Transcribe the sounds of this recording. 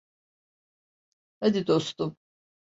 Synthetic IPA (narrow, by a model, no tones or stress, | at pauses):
had̪id̪ost̪um